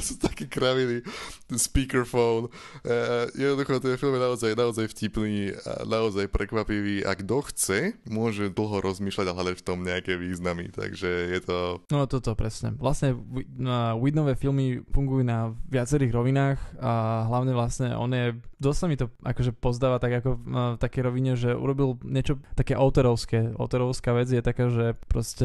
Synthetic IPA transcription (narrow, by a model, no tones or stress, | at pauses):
sut̪akiːkɾaʋinispiːkɛɾfɔʊn | jɛd̪nɔd̪uxɔt̪ɛfilmjɛnaɔzajnaɔzajfcipniːa̰naɔzajpɾʔɛkʋapiʋiːʔa̰ɡd̪ɔxt͡sɛmʊɔʒɛd̪l̩ˠɦɔɾʔɔzmiːʃlaɟaɦlad̪acft̪ɔmɲɛakɛːʋiːznamḭt̪a̰ɡʒɛjɛt̪ʰɔnɔnɔt̪ɔt̪ɔpɾɛsɲɛ̰ʋlasɲɛiwid̪nɔʋɛfilmifuŋɡujuːnaʋɪat͡sɛɾiːɣɾɔʋinaːxaɦlaʊɲɛʋlasɲɛʔɔ̰njɛd̪ɔst̪samit̪ɔʔa̰kɔʒɛpɔzd̪aːʋat̪aɡakɔft̪akɛjɾɔʋiɲɛʒɛʔṵɾɔbilɲɛt͡ʃɔt̪akɛːʔɔʊt̪ɔɾɔʊskɛːʔɔ̰ʊt̪ɔɾɔʊskaːʋɛd͡zjɛt̪akaːʒɛpɾɔscɛ